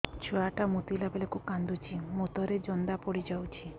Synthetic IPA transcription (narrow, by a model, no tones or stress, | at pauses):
t͡ʃʰuaʈamut̪ilabelekukand̪ut͡ʃʰimot̪ɔɾed͡ʒɔnd̪apɔɽid͡ʒawt͡ʃʰi